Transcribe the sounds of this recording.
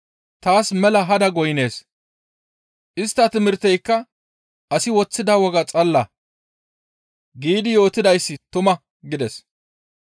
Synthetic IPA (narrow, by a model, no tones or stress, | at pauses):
t̪aːsmɛlɐɦɐd̪ɐɡɔjne̞ːs | ʔɪst̪ːɐt̪ɪmɪɾt̪ɛjkːɐ | ʔɐsɪwɔt͡sːɪd̪ɐwɔɡɐt͡sʼɐlːɐ | ɡiːd̪ɪjo̞ːt̪ːɪd̪ɐjsːɪt̪ʊmɐ | ɡɪd̪ɛs